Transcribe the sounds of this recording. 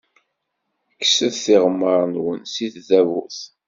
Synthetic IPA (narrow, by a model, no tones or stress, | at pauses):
kːsəðθiʁəmːəɾˤnwənsiθðævuθ